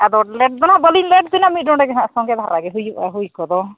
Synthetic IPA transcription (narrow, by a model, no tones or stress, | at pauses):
ɛd̪ɔlɛʈ̚d̪ɔnaʔbəlinlɛʈ̚d̪inamiɖɔ̃ɖɛɡɛnaʔsɔŋɡɛd̪ʱa̰ɾaɡɛɦujɛɦujkɔd̪ɔ